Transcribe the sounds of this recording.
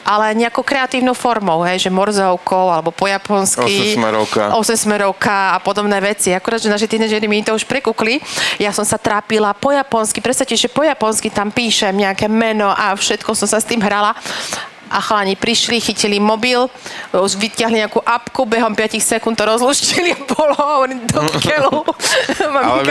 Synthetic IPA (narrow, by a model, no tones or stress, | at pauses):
ʔalɛɲɛakɔʊkɾɛat̪iːʊnɔʊfɔɾmɔʊɦɛjʒɛmɔɾzɔʊkʰɔalɛbɔpɔjapɔnskkimɛɾɔ̰ka̰ʔɔsɛmsmɛɾɔʊkaapɔd̪ɔbnɛːʋɛt͡siakuɾaːd̪ʒɛnaːʃɛt̪inɛːd͡ʒɛɾimiit̪ɔuʃpɾɛkuklijasɔmsat̪ɾaːpilapɔjapɔnskipɾɛst̪aciʒɛpɔjapɔnskit̪ampiːʃɛmɲɛakɛmɛnɔʔafʃɛt̪kɔsɔmsast̪iːmɦɾala | ʔaxlaɲipɾiʃlixicilimɔbiluʋic̪ɪaɦliɲɛakuʔapkubɛɦɔmpɪacixsɛkunt̪ɔɾɔzluʃciliabɔlɔaɔnid̪ɔkʰɛlu | mam